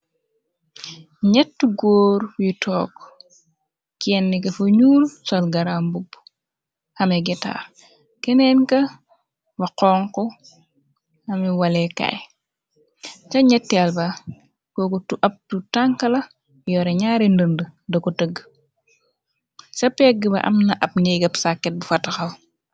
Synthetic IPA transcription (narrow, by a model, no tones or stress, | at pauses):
ɲɛtːuɡoːɾwitʰɔːk | kiɛnːikɐfoɲuːlsɔlɡɐɾambub | hɐmiɡɛta̰ːr | kɛnɛnkɐ | bɐqɔːŋkɔ | hɐmiwɐlɛka̰j | t͡ʃɐɲɛtːɛlbɐ | kokotuʔɐp̚tutaŋkɐlɐ | jɔɾɛɲaːɾindəndədɐkotəɡ | sɐpːɛɡibɐ̰ʔɐ̰mnɐʔɐp̚niɡɐpsakːɛt̚bufɐtɐxɐw